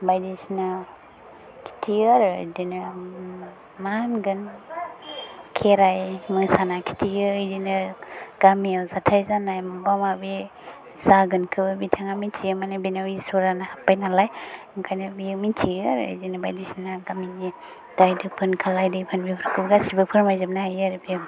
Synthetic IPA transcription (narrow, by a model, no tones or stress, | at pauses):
bajdisna | kʰi̥tʰiəaɾɯdinə | manɡɯn | kʰeɾajməsanakʰi̥tʰiəd͡ʒinəɡ̥amiawzatʰajzanajmabamabi | z̥aɡɯnkʰɯbbitʰaŋamintʰiɯmanabinawisɔɾanahapːajnalaj | kʰajnabijɯmintʰiɾɯ̰zinɯba̰jdisinaɡamini | d̥ajdɯpʰɯnkʰalajdɯpʰɯnbiɯɾkʰɯb̚ɡasibɯpʰɯɾmajzɯm̚naɦajɯɾɯbi